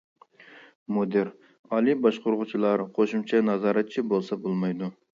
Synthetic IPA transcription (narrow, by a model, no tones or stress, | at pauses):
mod̪ɪɾ | ɑlˠibɑʃqoɾʁʊt͡ʃʰilˠɑɾqʰoʃumt͡ʃʰɛnɑzɑːɾɑt̪̚t͡ʃʰibolˠsɑbolˠmɑjd̪u